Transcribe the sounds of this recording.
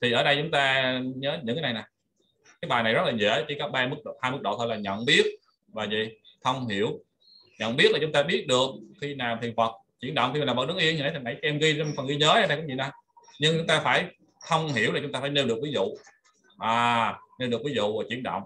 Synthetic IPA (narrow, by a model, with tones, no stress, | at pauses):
t̪ʰi˨˩ʔəː˧˦ɗə˧jt͡ɕʊ˨˦ŋ͡mt̪aː˧ɲəː˨˦ɲɨ̰˧˥ŋkaː˦na˨˩na˨˩ | kaː˨˦jɓaː˨˩jna˨˩jzə˦˥laː˨˩ɲḛ˧˥t͡ɕi˧˩kɔ˨˦ɓaː˧mɨ˦˥k̚ɗo̰˧˨haː˧jmɨ˦˥k̚ɗo̰˧˨t̪ʰo˧jlaː˨˩ɲə̰˧˨nɓi˦˥ət̚ | vaː˨˩zḭ˧˨xə˧wŋ͡mɦi˧˩əw | ɲə̰˧˨nɓi˦˥t̚laː˨˩t͡ɕʊ˨˦ŋ͡mt̪aː˧ɓi˦˥ət̚ɗɨ˨˩ək̚xi˧naː˨˩mt̪i˨˩ənfə˨˩t̚t͡ɕi˧˩ənɗə̰˧˨wŋ͡mkxiː˧˨˩aː˨˩və˨˩ɗə˨˦ŋʔi˧ənɲi˨˩n˨˦t̪ʰnʔa˧˩jka˨˦ʔɛ˧mɣi˧˩fə˨˩ŋɣi˧ɲəː˨˦ʔɛ˧˦ɗa˧jkɔ˧˨˦ŋ͡mt͡ɕḭ˧˨na˨˩ | ɲɨ˧ŋt͡ɕʊ˨˦˥ŋ͡mt̪aː˧faː˧˩j | xə˧wŋ͡mhi˧˩əwla˨˩t͡ɕʊ˦ŋ͡mt̪aː˧faː˧˩jne˧wɗɨ˨˩ək̚vi˨˦zṵ˧˨ | ʔaː˨˩ne˧wɨ˨˩k̚vi˨˦zṵ˧˨aː˨˩t͡ɕḭ˧˩ənɗə̰˧˨wŋ͡m